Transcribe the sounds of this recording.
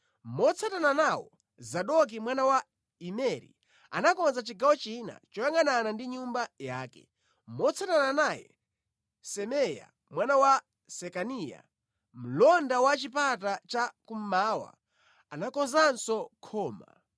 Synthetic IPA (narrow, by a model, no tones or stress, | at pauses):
mɔt͡sʰatananawɔ | zaɗɔk̬imwanawa | imɛɾḭ | a̰nakɔnzat͡ʃiɡawɔt͡ʃina̰t͡ʃɔjaŋananandiɲumbajaːkɛ̰ | mɔt͡sʰatananajɛ̰ | sɛmɛja̰ | mwanawa | sɛkanija̰ | m̩lɔndawat͡ʃipatat͡ʃakum̩maːwa̰ | anakɔnzansɔkʰɔːma̰